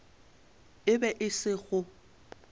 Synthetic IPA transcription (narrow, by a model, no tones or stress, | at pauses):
ɪbɛʔɪsɪɣʊ